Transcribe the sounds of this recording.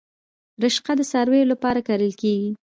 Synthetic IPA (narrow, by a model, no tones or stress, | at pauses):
ɾɪʃqad̪əsaɾwejolapɑɾakaɾəlkeɡi